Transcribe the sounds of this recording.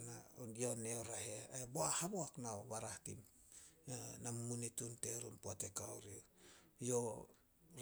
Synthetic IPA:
najo̞neoɾaɦeaboahaboaknaoβaɾahtḭm | nammunitunte̞ɾumpuate̞kawɾijo

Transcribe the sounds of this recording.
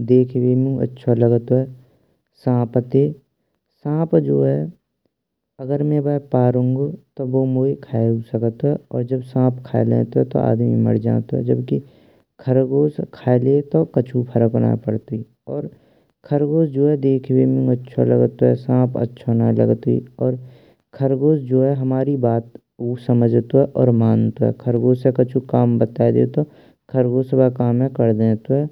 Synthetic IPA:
d̪eːkʰʋeːmũə̰tːʃʰaləɡt̪oɦɛ | sãːpət̪e | sãːpd͡ʒoːɦɛ | ɐɡəɾmẽbapaːɾʊ̃ŋɡt̪oboːmoːikʰaːeusəkət̪oɦɛɔːɾd͡ʒəbsãːpkʰa̰ːlḛ̃ːt̪oɛt̪o̰ʔa̰ːd̪mĩmə̰ɽd͡ʒã̰ːt̪oɦɛ̰d͡ʒəbki | kʰəɾɡoːskʰaːlet̪okət͡ʃʰupʰəɾəkona̰ːpəɽt̪ui | ɔːɾ | kʰəɾɡoːsd͡ʒoːɦɛd̪eːkʰbeːmɪ̃ŋɡətːʃʰa̰lə̰ɡt̪oɦɛ̰sãːpʰə̰tːʃʰanalə̰ɡt̪oḭɔːɾ | kʰəɾɡoːsd͡ʒoːɦɛɦɐmaːɾibaːt̪ | uːsəməd͡ʒʱt̪oɦɛʔɔːɾmaːnt̪oɦɛ̰ːkʰəɾɡoːsekət͡ʃʰukaːmbət̪aːed̪ḛt̪o | kʰəɾɡoːsbakaːmɦɛ̃kəɾd̪ẽːt̪oɦɛː

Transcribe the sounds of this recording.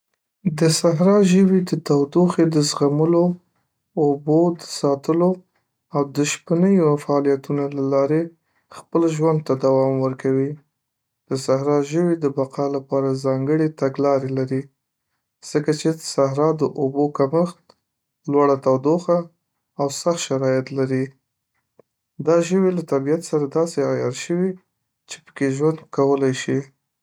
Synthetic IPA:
d̪əsaɦɾɑʒəwid̪ət̪awd̪oxed̪əsɣaməloː | bod̪ə̥sɑt̪əlo | awd̪əʃpənəjofaːlijat̪unalalɑɾe | xpəlʒwand̪̚t̪ad̪awɑmwəɾkawi | d̪̥əsaɦɾɑʒəwid̪əbaqɑlapɑɾazɑŋɡəɽet̪aɡlɑɾelaɾi | z̥əkat͡ʃed̪əsaɦɾɑd̪əʔobokaməxt̪ | lwaɽat̪awd̪oxaː | wsaxʃaɾɑjat̪laɾi | d̪ɑʒəwilat̪abijat̪saɾad̪ɑseɑjɑɾʃəwi | t͡ʃe̥pə̥keʒwand̪̚kawəlajʃi

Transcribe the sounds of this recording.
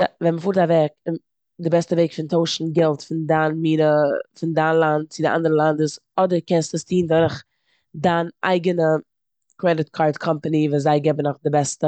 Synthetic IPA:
vɛnməfuːɾtavɛkɪn | dɪbɛstəveɪkfɪntoʊʃn̩ɡɛlˠtfɪndaːnmiːnəfɪndaːnlˠant̚t͡sɪdɪʔa̰ndəɾəlˠandəsɔdəɾkɛnstəstʰiːndɔɾɪχ | daːnʔa̰ɪɡənə | kɾɛdɪt̚kʰaːɾtkʰɔmpənivuːszaɪɡɛbənɔχdɪbɛstə

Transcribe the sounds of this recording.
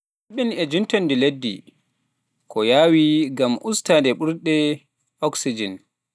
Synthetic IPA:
ʔaɓinɛd͡ʒintɔndiledːḭ | kʰɔjaːwiɡamʔustadɛɓuɾɗɛ | ʔɔksid͡ʒin

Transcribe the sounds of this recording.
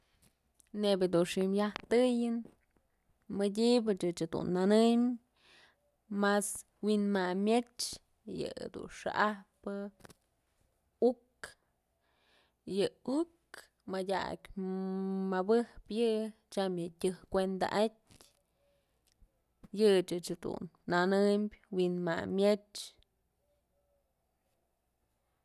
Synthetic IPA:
nebʲɨd̪unʂimjaht̪ɨjɨn | medʲibɨt͡ʃɨt͡ʃɨd̪ṵnːanɨm | mas | winmamjet͡ʃ | jɨ̰d̪ṵnʂa̰ʔapɨ | uk | jɨuk | madʲa̰kʲ | mabɨhpjɨt͡ʃamjɨtʲɨhkʷend̪a̰ʔat̚ʲ | jɨt͡ʃɨt͡ʃhd̪ṵnːanɨmbʲwinma̰mʲjet͡ʃ

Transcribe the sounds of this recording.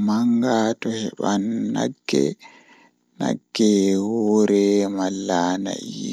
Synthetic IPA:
maŋɡaːtɔhɛɓanːaɡːɛ̰ | na̰ɡːɛwɔːɾɛmalːaːna̰ʔi

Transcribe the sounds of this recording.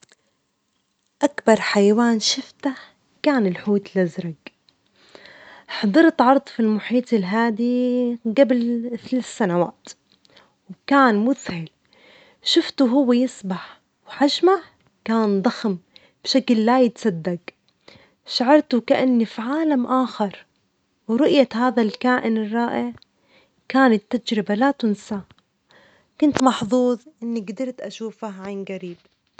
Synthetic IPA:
ʔakbɑɾˤħajawaːnʃɪft̪a | kaːnɪlħuːt̪lʔazɾˤaɡ | ħɑd̪ˤɨɾt̪ʕɑɾˤd̪ˤfilmʊħiːt̪ˤɪlɦaːd̪iɡablθlasːanawaːt̪ | wkaːnmʊθhɪl | ʃɪft̪uɦʊwːajɪsbaħ | wħaʒmaʕ | kaːnd̪ˤɑxm | b̥ʃaklːajɪt̪sˤɑd̪ːaɡ | ʃaʕɑɾˤt̪ʊkaʔanːifiʕaːlamʔaːxɑɾˤ | wɾˤʊʔjahaːðalkaːʔɪnɪrˤːɑːʔɪʕ | kaːnɪt̪ːad͡ʒɾɪbalat̪ʊnsa | kʊnt̪mɑħðˤuːðˤʔɪnːiɡd̪ɑɾˤt̪ʔaʃuːfahʕanɡaɾiːb̚

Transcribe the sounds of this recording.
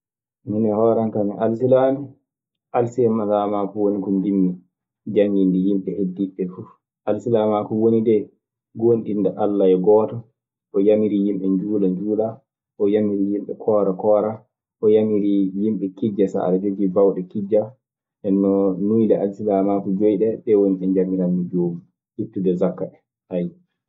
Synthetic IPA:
nunɛhɔɾankamiʔalsilani | ʔalsiɛmalamakuwonikumdinːɛ | d͡ʒaŋɡindɛjimɓɛʔedːiɓɛfuf | ʔalsilamakuwonidɛ | ɡonɗindɛʔalːaɛɡɔːtɔ | ʔɔjamiɾijimɓɛɲd͡ʒuːlaɲd͡ʒuːla | ʔɔjamiɾijimɓɛ̰kʰɔːɾakɔɾa | ʔɔjamiɾijimɓɛkid͡ʒːasa̰ʔa̰ɾad͡ʒod͡ʒibawɗɛkid͡ʒa | ʔɛnːɔnujdɛʔalsilamakud͡ʒojɗɛɓɛwoniʔɛɲd͡ʒamiɾanid͡ʒoːmu | hitːudɛzakːaɛ | haj

